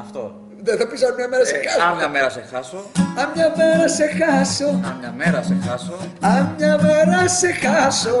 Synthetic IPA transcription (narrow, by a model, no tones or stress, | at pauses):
ɐft̪o | ðeθɐpisɐnmɲɐmeɾɐsexɐsaɲɐmeɾɐsexɐsoɐmɲɐmeɾɐsexɐsoɐ̰mɲɐmeɾɐsexɐsoɐmɲɐmeɾɐsexɐso